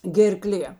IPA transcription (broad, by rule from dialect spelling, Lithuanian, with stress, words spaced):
ɡʲɛrˈklʲeː